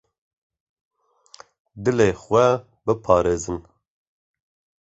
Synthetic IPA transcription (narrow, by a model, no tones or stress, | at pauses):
d̪ɨleːxʷɛ | bɨpʰɑːɾeːzɨn